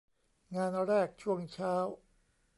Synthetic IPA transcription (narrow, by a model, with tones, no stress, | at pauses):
ŋaː˧nɾɛː˥˩k̚t͡ɕʰu˥˩əŋt͡ɕʰaː˦˥w